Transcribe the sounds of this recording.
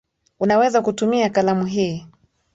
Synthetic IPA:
unawɛzakutumiakalamuɦiː

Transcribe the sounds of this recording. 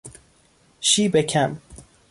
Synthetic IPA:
ʃiːbekʰæm

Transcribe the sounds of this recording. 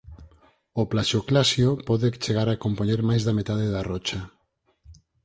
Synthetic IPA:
oplaʃoklasjopɔðet͡ʃeɣaɾakompoɲeɾmajzðamet̪aðeðarɔt͡ʃa

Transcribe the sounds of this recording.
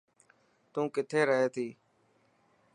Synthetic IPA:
t̪ũːkɪt̪ʰeːɾəɦeːt̪ʰiː

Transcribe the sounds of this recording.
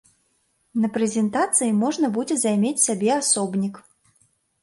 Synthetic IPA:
nɐpɾɛzʲɛnt̪at̪sɨjimɔʐnɐbud͡zʲɛzajmʲet͡sʲsʲabʲɛasɔbnʲik

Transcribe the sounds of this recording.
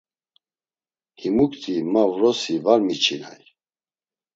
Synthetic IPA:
himukt̪ʰʼimavɾɔsivaɾmit͡ʃʰina̰j

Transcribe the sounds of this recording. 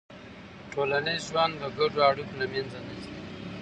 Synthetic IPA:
ʈʰolanezʒwand̪əɡaɖoaɽuknamjanzanasi

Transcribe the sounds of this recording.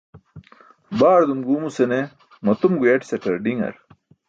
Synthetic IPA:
baːɾd̪umɡuːmusene | mɐt̪umɡueʈsɐʈɐɾɖiŋɐ̰ɾ

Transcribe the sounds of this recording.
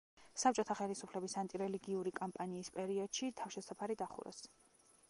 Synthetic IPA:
sap̚ʼt͡ʃʼɔt̪ʰaχɛlisupʰlɛbisant̪ʼiɾɛliɡiuɾikʼɔmpʼaniːspʼɛɾiɔd̪̥ʃit̪ʰafʃɛsapʰaɾid̪aχṵɾɔ̰s

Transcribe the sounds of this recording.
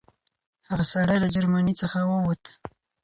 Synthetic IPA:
haɣasaɽajlad͡ʒaɾmanit͡səxawəwət̪

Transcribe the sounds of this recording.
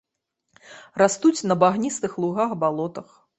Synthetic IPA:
rast̪ut͡sʲnɐbaɣnʲist̪ɨxlˠuɣaxbalˠɔt̪ɐx

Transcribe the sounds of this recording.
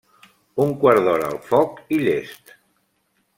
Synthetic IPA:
uŋkwaɾðɔɾəːlˠfɔkiʎest̪

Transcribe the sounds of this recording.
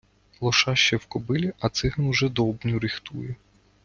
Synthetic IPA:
lˠɔʃɑʃt͡ʃɛwkɔbɪlʲiʔɐt̪sɪɦɐnʊʒɛd̪ɔbnʲʊɾɪxt̪ujɛ

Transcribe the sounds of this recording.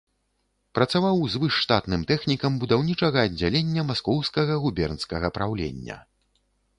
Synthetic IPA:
pɾɐt̪savawzvɨʂːt̪at̪nɨmt̪ɛxnʲikɐmbud̪awnʲit͡ʂɐɣɐːd͡zʲːalʲenʲːɐmaskɔwskɐɣɐɣubʲɛrnskɐɣɐpɾawlʲḛnʲːɐ̰

